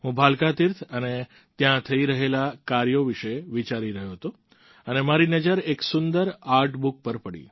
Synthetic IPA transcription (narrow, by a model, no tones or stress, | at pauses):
ɦũbʱalkat̪iɾt̪ʰəne | t̪jãt̪ʰəiɾəɦelakaɾjoʋiʃeʋit͡ʃaɾiɾəɦjoɦət̪o | ənemaɾinəd͡ʒəɾeksʊnd̪əɾaɾʈbuk̚pəɾpəɽḭ